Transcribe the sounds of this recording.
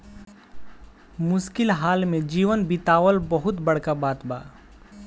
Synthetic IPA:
mʊʃkɪlɦaːlmẽd͡ʒiːʋənbɪt̪aːwəlbəɦʊt̪bəɽ̤kabaːt̪ba̰ː

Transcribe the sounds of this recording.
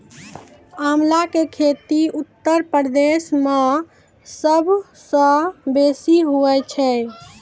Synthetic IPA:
amlakekʰet̪iut̪ːəɾpəɾd̪esme | səbʱ | sə̃besiɦuɛt͡ʃʰɛ

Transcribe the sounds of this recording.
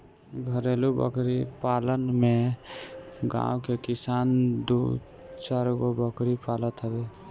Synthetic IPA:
ɡʱəɾelubə̰kɾipalənme | ɡã̰wkekisand̪u | t͡ʃaɾuɡobəkɾipalət̪ɦəbe

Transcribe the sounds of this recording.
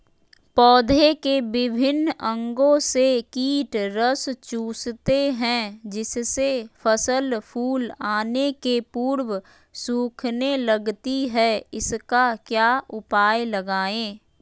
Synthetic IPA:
pɔːd̪ʱekebɪbʱɪnə̃ŋɡõsekiːʈɾəst͡ʃuːst̪eɦɛ̃d͡ʒɪssefʰəsəlpʰuːlaːnekepuːɾw | suːkʰneləɡt̪iɦɛɪskakjaːʔʊpaːjləɡaːẽː

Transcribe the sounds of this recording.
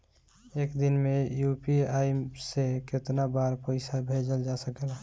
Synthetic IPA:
eːkd̪inmejupiaiseket̪nabaɾpəɪsabʱed͡ʒəld͡ʒasəkl

